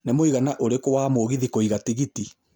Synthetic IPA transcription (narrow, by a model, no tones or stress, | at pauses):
nemoiɣanaʔoɾekowaːmoɣiðikɔiɣatiɣiti